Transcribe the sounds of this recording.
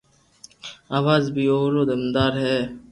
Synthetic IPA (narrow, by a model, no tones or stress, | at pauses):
aːʋaːzbʱiːoːɾoːd̪əmd̪aːɾɦɛː